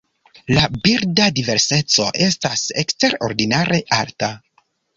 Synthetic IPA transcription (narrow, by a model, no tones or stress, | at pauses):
labiɾdadive̞ɾse̞t͡so̞ʔe̞stase̞kste̞ɾo̞̰ɾdinaɾʔe̞ʔaɾta